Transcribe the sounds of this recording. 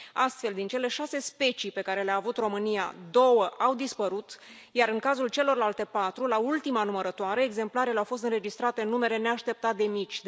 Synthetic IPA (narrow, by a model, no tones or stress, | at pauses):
ast̪fe̞ld̪int͡ʃe̞le̞ʃase̞spe̞t͡ʃipe̞kaɾe̞leaːvut̪ro̞mɨnija̰d̪o̞wəʔawd̪ispəɾut̪ | jaɾɨŋkazult͡ʃe̞lo̞rlalt̪e̞pat̪ɾulault̪imanuməɾət̪oaɾeːɡze̞mplaɾe̞leawfo̞s̬t̪ɨnre̞d͡ʒist̪ɾat̪e̞ɨnːume̞ɾe̞ne̞aʃt̪e̞p̚t̪at̪̚d̪e̞mit͡ʃ̪ʲ